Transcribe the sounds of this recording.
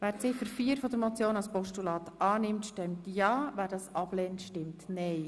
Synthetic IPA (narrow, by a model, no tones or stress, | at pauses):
ʋæːɾt͡sɪfəɾfiːəɾfɔd̪əɾmɔt͡sjoːnɑlspɔʃtulɑːt̪ʔɑːnɪmtʃtɛmtjɑːʋæːɾdɑːsɑb̥lɛːntʃtɪmtnɛɪ